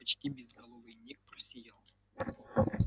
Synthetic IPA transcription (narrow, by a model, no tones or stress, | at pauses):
ɐt͡ɕt̪ʲibʲɪzɡɐlˠovɨnʲek̚prɐsʲɪjalˠ